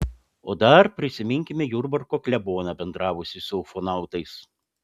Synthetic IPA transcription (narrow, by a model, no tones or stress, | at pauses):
oːd̪ɐɾpʲɾʲɪsʲɪmʲɪŋʲkʲɪmʲɛjʊɾbɐɾkoːklʲɛboːnɑbʲɛnd̪ɾɑːʋʊsʲɪsʊfɔnɑˑʊt̪ɐɪs